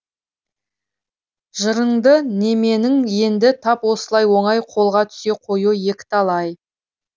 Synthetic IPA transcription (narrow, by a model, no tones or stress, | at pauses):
ʒəɾəɴd̪əne̞me̞nɪŋje̞nd̪ɪt̪ʰɑpwo̞səlˠɑjwo̞ɴɑjqʰo̞lˠʁɑt̪ʰʏ̥se̞qʰo̞juje̞kʲɪ̥t̪ʰɑlˠɑj